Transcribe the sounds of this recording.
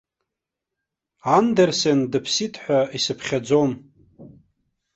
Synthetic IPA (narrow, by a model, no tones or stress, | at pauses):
andersendɨpʰsitʰħʷᶣaisɨpʰχʲad͡zo̞m